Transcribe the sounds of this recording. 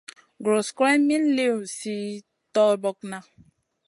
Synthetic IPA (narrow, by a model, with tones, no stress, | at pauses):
ɡɾo˨skɾɛ˦mĩ˦n˦le˦u˨si˦ | tɔ˦bɔ˦k̚na˦